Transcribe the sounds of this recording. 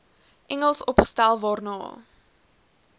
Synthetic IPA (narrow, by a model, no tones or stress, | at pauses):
ʔɛŋəlˠsɔpχə̥stælˠvɑːrnɑ̰ː